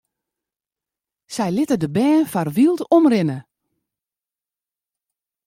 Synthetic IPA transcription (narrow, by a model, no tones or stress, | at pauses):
sɛjlɪtədəbɛːnfarʋilˠtomrɪnə